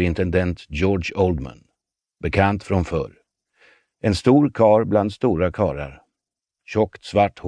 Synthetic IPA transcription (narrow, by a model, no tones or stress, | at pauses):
ɪnt̪ɛnd̪ɛnt̪joːɖʂɔld̪ma̰n | bɛkʰant̪fɾɔnfœ̰ɾ | ɛnst̪uːɾkʰɑːɾbland̪st̪uːɾakʰɑːɾa̰ɾ | ɕɔkt̪svaʈːh